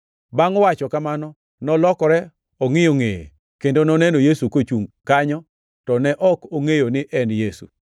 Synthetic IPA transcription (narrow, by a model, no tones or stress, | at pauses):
baŋɔwat͡ʃɔkamanɔ | nɔlɔkɔɾɛ | ɔŋɪjoŋejḛ | kendonɔnɛnojesukot͡ʃuŋkaɲɔ | tɔnɛʔɔkoŋejonɪʔɛnjesṵ